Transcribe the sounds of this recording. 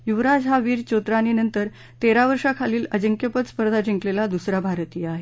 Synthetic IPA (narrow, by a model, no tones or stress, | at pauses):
juʋɾad͡zɦaʋiːɾt͡ɕot̪ɾaninənt̪əɾ | t̪eɾaʋəɾʂakʰaliːləd͡ʑəŋkjəpət̪spəɾd̪ʱad͡ʑĩŋklelad̪usɾabʱaɾt̪iːaɦe